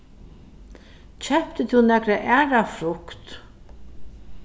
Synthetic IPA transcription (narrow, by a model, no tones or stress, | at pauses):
t͡ɕʰɛpt̪ət̪ʰunɛkɾaʔæːɹafɾʊkt̪